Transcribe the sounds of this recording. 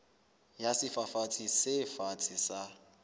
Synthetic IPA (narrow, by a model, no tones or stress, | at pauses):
jasɪfafat͡sʼisɪfat͡sʼisa